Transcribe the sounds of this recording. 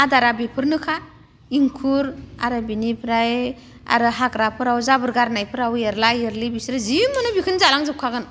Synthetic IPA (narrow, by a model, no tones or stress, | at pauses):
adaɾabipʰɯɾnɯkʰaɾ | iŋkʰuɾa̰ɾɯbinipʰɾaj | a̰ɾɯɦakɾapʰɯɾawzabɯɾɡaɾnajpʰɯɾaweɾlajeɾlibisɾɯzimɯnɯbikʰɯnzalaŋzɯp̚kʰaɡɯn